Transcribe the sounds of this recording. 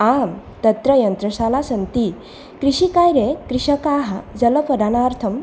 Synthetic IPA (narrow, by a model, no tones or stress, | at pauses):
am | t̪ət̪ɾəjənt̪ɾəɕalasənt̪i | kɾiɕikajɾekɾiɕəkaɦəd͡zələpəd̪anaɾt̪ʰəm